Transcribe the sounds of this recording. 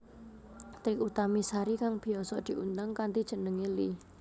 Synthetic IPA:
t̪ikut̪amisaɾikaŋb̥i̤ɔsɔd̪̥i̤ʔunt̪aŋkant̪id̥ʒ̥ə̤nəŋeli

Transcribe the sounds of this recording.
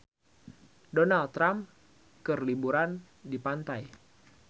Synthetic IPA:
donalɾam | kɨrlibuɾan | dipant̪aj

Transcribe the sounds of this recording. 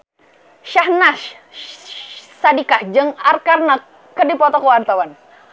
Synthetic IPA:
ʃahnaʃ | sadikahd͡ʒəŋarkarnakː | ədipɔt̪ɔkowant̪awan

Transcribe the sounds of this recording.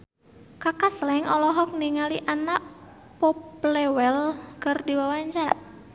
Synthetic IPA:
kakaslaɛŋɔlɔɦɔk̚niŋaliʔanaʔ | pɔplɛwɛlkərdiwawaɲt͡ʃaɾa̰

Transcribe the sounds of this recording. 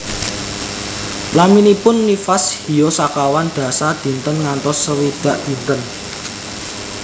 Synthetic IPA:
laminipʊnːifashi̤jɔsakawand̪̥ä̤sad̪̥i̤nt̪ənŋant̪ɔsːəwid̪̥a̤ʔd̪̥i̤nt̪ən

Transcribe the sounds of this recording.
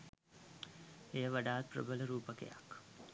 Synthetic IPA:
ejəʋaɖaːt̪̚prə̰bələɾuːpəkḛja̰k

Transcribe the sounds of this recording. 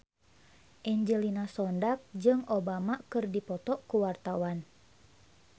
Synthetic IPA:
ʔɛɲd͡ʒɛlinasɔndak̚d͡ʒɨŋobamakɨrdipɔt̪ɔʔkuwart̪awan

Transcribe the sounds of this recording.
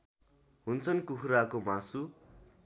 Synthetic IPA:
ɦunt͡sʰʌnkukʰɾakomãsu

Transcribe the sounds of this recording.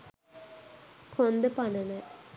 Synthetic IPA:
kʰond̪əpanənə

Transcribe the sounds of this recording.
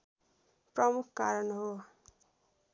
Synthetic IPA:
prʌmukʰkaɾʌnɦo

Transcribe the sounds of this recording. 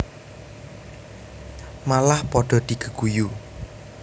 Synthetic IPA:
malahpɔɖ̥ɔ̤d̪̥i̤ɡ̥ə̤ɡ̥uju

